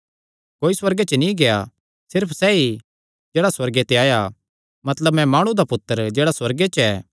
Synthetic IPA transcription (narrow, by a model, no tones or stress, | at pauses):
koːiswɐɾɡet͡ʃənĩɡeja | sɪɾpʰsɛːi | d͡ʒɛːɽaswɐɾɡet̪eaːja | mɐt̪ləbmɛ̃maːɽ̃ũd̪apʊt̪ːəɾd͡ʒeːɽaswɐɾɡet͡ʃɛː